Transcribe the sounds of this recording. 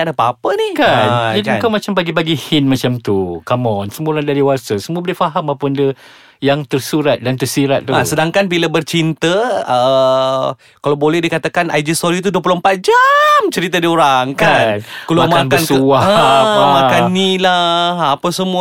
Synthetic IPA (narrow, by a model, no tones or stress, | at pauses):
adapapənikand͡ʒadikawmat͡ʃambaɡibaɡihɪnmat͡ʃamt̪ukamɔnsəmuɾandaɾiwasəsəmuabolɛhfaɦamapəndə | jaŋt̪ərsuɾat̪̚dant̪ərsiɾat̪̚t̪uasədaŋkanbiləbərt͡ʃint̪əə | kalawbolɛhdikat̪akanajdist̪oɾit̪̬uduəp̬ulompat̪̚d͡ʒamt͡ʃəɾit̪ədioɾaŋkankulakmaanbkəansuaamakannːilahapəsəmu